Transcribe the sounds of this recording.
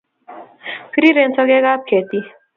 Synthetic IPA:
pʰiɾiɾensʌɡeɡap̚kʰet̪i

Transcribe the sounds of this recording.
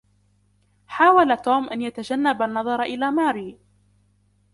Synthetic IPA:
ħaːwalat̪uːmʔanjat̪ad͡ʒanːabanːɑðˤɑɾˤʔɪlaːmaːɾiː

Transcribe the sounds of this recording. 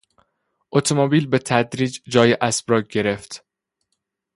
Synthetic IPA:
ʔot̪ʰomobiːlbet̪ʰæd̪ɾiːd͡ʒd͡ʒɒːjeʔæsb̥ɾɒːɡ̚ɟe̞ɾe̞ft̪

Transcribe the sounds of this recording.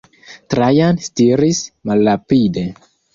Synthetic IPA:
tɾajanstiɾismalːapide̞

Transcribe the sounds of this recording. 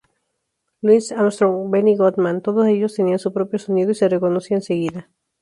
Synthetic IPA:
lwisamst̪ɾoŋbeniɣot̪mãnt̪oðose̞ʝost̪e̞niansupɾopjosonið̞oise̞reko̞nosiaense̞ɣiða

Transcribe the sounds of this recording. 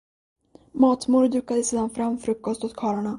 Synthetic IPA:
mɑːt̪mʊɾd̪ʉ̟ːkːad̪əseːd̪anfɾamːfɾɵkːɔst̪ɔt̪kʰɑːɾaɳa

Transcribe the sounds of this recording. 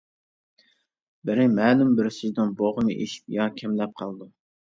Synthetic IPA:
bɪɾɪmɛːlymbɪɾɪsɪzd̪ɪnboʁəmɨʔḛʃi̥p̚jɑkʲʰɛmlɛp̚qʰɑlˠd̪u

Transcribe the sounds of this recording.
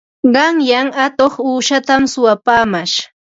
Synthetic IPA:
ɢɑŋjaŋat̪oχuːʃat̪amsʊwapaːmaʃ

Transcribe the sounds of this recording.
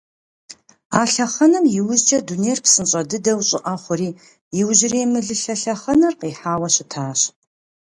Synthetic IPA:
aːɬɐχɐnɐmjɪwʊzt͡ʃʼɐdunejrpsɨnɕʼɐdɨdɐwɕʼɪʔɐχʷʊɾiː | jɪwʑɪreːmɨɮɨɬɐɬɐχɐnɐrqiːħaːwɐɕɪtʰaːɕ

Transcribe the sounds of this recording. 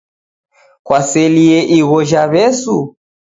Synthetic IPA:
kwasɛliɛʔiɣɔʒaβɛsu

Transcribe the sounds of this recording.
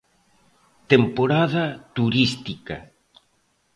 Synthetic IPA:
t̪empoɾaðɐt̪uɾist̪ika̰

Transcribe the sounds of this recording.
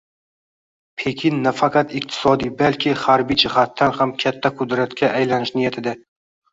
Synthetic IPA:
pʰe̞kʲʰɪnːafaqɑt̪ɪq̚t̪ʰɪ̥sɒd̪ijbalkʲʰɪhaɾbijd͡ʒɪhat̪ʰːanhamkʲʰat̪ʰːaqʰʊd̪ɾat̪kʲʰaʔajlanɪʃnɪjat̪ʰɪd̪a

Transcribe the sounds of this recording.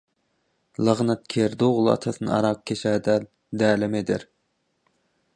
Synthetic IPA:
lˠəʁnɛt̪̚kʲʰeɾd̪oʁlˠɨɑ̰t̪ʰɑsɨnɨ̰ɑ̰ɾɑq̚kʲʰeʃɛːd̪ɛl | d̪ɛːlɪmɪd̪ɪɾ

